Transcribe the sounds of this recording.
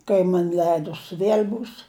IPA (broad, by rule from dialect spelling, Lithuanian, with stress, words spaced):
kɐɪ ˈmɐnʲ ˈlʲɛɪdʊs ˈʋʲiɛlʲ ˈbuːs